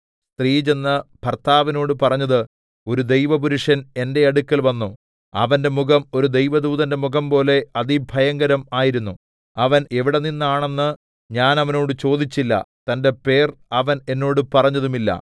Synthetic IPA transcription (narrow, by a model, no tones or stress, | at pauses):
st̪riːt͡ɕe̞nːɐb̥ʱɐrt̪ʰaːʋino̞ːɽɨpɐrɐɲːɐðɨ | o̞ɾud̪e̞jʋɐpuɾuʂɐne̞nde̞ɐɽukːɐlʋɐnːu | ɐ̰ʋɐnde̞muɣɐmo̞ɾud̪e̞jʋɐd̪uːðɐnde̞muɣɐmpo̞ːle̞ɐðibʱɐjɐŋɡɐɾɐmaːjiɾunːu | ɐʋɐne̞ʋiɽe̞ninːaːɳe̞nːɨ | ɲaːnɐʋɐno̞ːɽɨt͡ɕo̞ːd̪it͡ɕːilːɐ̰t̪ɐnde̞pe̞ːrɐʋɐne̞nːo̞ːɽɨpɐrɐɲːɐðumilːɐ̰